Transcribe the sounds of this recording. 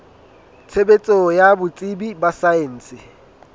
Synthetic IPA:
t͡sʰebet͡sʼɔjabʊt͡sʼɪbibasaeːn̩ːsɪ

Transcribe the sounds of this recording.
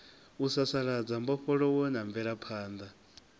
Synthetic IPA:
usasaɺad͡zambɔɸɔɺɔwɔnaɱvɛɺapʰaːnd̪a

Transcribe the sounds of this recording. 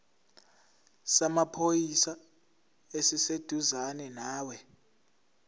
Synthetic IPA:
samapʰojisa | esised̥ʱuzanɛnaːwɛ

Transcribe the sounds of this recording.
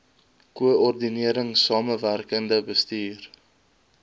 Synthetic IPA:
kuəɔrdiniəɾəŋsɑːməværkəndəbəstiːr

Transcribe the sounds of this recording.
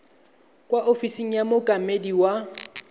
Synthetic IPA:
kʼwaʔofisiŋ̩jamʊkʼamediwa

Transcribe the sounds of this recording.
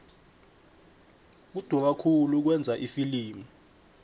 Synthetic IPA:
k̬ud̥ʱwɔk̬akʰuluk̬wɛnd͡zʱaʔifiliːmu

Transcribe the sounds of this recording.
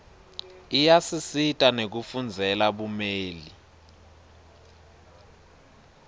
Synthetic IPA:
ijasisitʼanek̬ufund͡zʱɛlaɓumeːli

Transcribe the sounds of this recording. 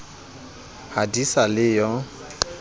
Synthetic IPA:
hadisalɪjɔ

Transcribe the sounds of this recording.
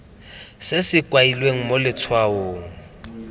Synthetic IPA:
sɪsɪkʼwailweŋ̩molɪt͡sʰwaoːŋ̩

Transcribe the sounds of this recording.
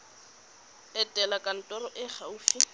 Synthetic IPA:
ɛtʼɛlakʼan̩tʼɔrɔʔɪχauːfi

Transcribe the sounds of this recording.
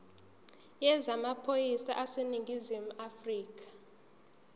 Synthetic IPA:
jɛzamapʰojisa̰ʔaseniŋɡʱizimuafriːk̬ʰʼḁ

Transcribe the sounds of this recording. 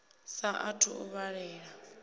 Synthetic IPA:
saʔatʰṵuβaɺɛːɺa

